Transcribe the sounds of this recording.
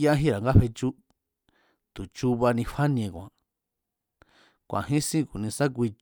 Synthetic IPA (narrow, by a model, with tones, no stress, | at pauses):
ja˦ɦĩ˦ɾa˨ŋɡa˦ɸe˧t͡ʃu˦ | t̪u˨t͡ʃu˧βa˧nĩ˧ɸa˦ñ˧ẽ˧kʷã̰˨ | kʷã̰˨ɦĩ˦sĩ˦ku˨nĩ˧sã˦k̬ʷi˧